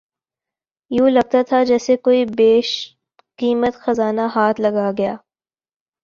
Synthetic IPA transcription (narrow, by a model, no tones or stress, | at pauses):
jũːlɐɡ̚t̪at̪ʰad͡ʒɛːsekoːibeːʃ | kiːmət̪xɐzaːnaɦaːt̪ʰlɐɡaɡɐjaː